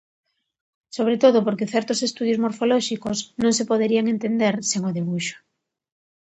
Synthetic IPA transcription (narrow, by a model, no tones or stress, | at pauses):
soβ̞ɾet̪oðopoɾkeθɛɾt̪osest̪uðjozmoɾfolɔʃikosnõŋsepoðeɾiaŋent̪end̪eɾseŋoðiβuʃo̥